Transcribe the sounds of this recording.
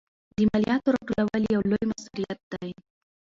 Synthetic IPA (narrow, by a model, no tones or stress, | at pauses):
d̪əmalijɑt̪oɾaʈolawaljawlojmasuɾijat̪̚d̪aj